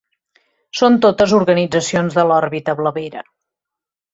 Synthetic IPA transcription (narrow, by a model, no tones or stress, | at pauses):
sont̪ot̪əzuɾɣənid͡zəsionzðəlɔɾβit̪əβləβeɾə